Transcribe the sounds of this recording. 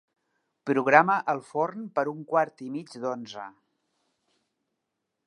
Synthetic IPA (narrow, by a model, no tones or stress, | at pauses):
pɾuɣɾaməʔəlˠfornpəɾuŋkwaɾt̪imid͡ʒd̪onzə̰